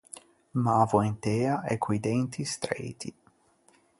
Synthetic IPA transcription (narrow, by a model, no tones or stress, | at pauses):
maːvoent̪ɛːaʔɛkʰːwid̪ɛnt̪ʰist̪ɾḛjt̪ʰi